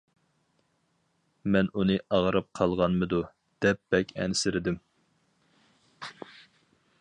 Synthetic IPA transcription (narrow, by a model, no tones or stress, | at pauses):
mɛnunɨʔɑʁɾɨp̚qʰɑlˠʁɑnmɨd̪u | d̪̥ɛp̚b̥ɛkʲʰɛ̰nɪsɪɾɪd̪ɪm